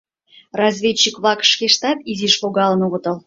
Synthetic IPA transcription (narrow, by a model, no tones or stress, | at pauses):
rɑzvʲet͡ɕːikβlˠɑkʃkʲeʃt̪ɑt̪izʲiʃloɡɑlˠə̆noβə̆t̪ə̆lˠ